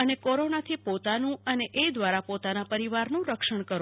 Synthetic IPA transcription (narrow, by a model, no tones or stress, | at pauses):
ənekoɾonat̪ʰipot̪anũəneʔed̪ʋaɾapot̪anapəɾiʋaɾnũɾəkʃəɳ̃kəɾ